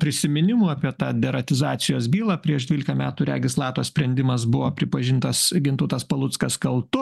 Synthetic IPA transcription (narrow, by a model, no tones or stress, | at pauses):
pʲɾʲɪsʲɪmʲɪnʲɪmuɑpʲiɛt̪ɑːd̪ʲɛɾɐt̪ʲɪzɑːt̪sʲɪjoːs̬bʲiːlˠɑːpʲɾʲiɛʃd̪ʲʋʲiːlʲɪkɐmʲæːt̪uːɾʲɛ̰ɡʲɪslˠɑːt̪oːsʲpʲɾʲɛnʲd̪ʲɪmɐs̬bʊʋoːpʲɾʲɪpɐʒʲɪnt̪ɐsɡʲɪnt̪ʊt̪ɐspɐlˠʊt̪skɐskɐlˠt̪ʊ